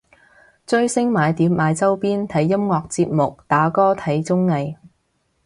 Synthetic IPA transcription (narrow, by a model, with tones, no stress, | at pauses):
t͡ʃɵ˥ɥsɪ˥ŋmaː˨˧jt̪iː˨˧˥p̚maː˨˧jt͡sɐ˥wpiː˥nt̪ʰɐ˨˥jːɐ˥mŋɔː˧k̚t͡siː˧p̚mʊ˨k̚t̪aː˨˥kɔː˥t̪ʰɐ˨˥jt͡sʊ˥ŋne˨j